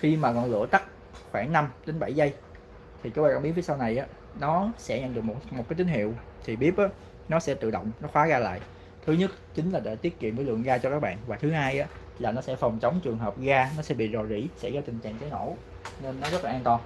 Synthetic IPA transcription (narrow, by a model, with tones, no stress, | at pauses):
xi˧maː˨˩kɔ˨˩nlɨ̰˧˥ət̪a˦˥k̚ | xwaː˧˩ŋna˧mɗe˨˦nɓa˧˩jzə˧j | t̪ʰi˨˩kaː˨˦˥ɓaː˧˨˩kːa˧˥ŋ͡mi˨˦˥nvi˨˦sa˧wna˨˩jʔaː˨˦ | nɔ˨˦sɛ̰˧˥ɲə̰˧˨nɗɨ˨˩əkmo˨˩m̚˨˩kaː˨˦jt̪ï˨˦ŋ̟hḭ˧˨əw | t̪ʰi˨˩ɓi˦˥əp̚ʔaː˨˦ | nɔ˨˦sɛ̰˧˥t̪ɨ̰˧˨ɗə̰˧˨wŋ͡mnɔ˨˦xwaː˨˦ɣaː˧la̰ː˧˨j | t̪ʰɨ˨˦ɲə˦˥t̚t͡ɕï˨˦ŋ̟laː˨˩ɗa̰ː˧˨t̪i˦˥ət̚kḭ˧˨ənvəː˨˦jlɨ̰˧˨ənɣaː˧t͡ɕɔ˧kaː˦˥k̚ɓa̰ː˧˨nvaː˨˩t̪ʰɨ˨˦haː˧jʔaː˨˦ | laː˨˩nɔ˨˦sɛ̰˧˥fa˨˩wŋ͡mt͡ɕə˨˦wŋ͡mt͡ɕɨ˨˩əŋɦəː˨˩p̚ɣaː˧nɔ˨˦sɛ̰˧˥ɓḭ˧˨zo˨˩zḭ˧˩sɛ̰˧˥ɣaː˨˦jt̪ï˨˩ŋ̟t͡ɕa̰ː˧˨ŋt͡ɕi˨˦no̰˧˩ | ne˧nːɔ˨˦zə˦˥t̚laː˨˩ʔːnt̪ɔ˧n